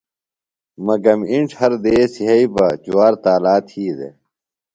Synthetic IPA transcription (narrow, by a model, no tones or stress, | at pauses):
mɐɡɐmiɳʈʰhɐɾd̪eːsiɦɐibɐt͡ɕuaːɾt̪aːlaːt̪hiːd̪ḛ